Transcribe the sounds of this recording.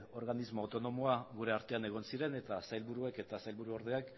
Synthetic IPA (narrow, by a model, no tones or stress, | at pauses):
o̞ɾɣanizmoːt̪o̞no̞moaɣuɾe̞aɾt̪e̞ane̞ɣ̞o̞nsiɾe̞ne̞t̪asajlβuɾue̞ke̞t̪asajlβuɾuo̞ɾðeak